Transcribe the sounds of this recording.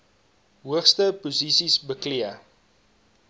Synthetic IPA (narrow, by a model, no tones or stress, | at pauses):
ɦuəχstəpuzisisbəkliə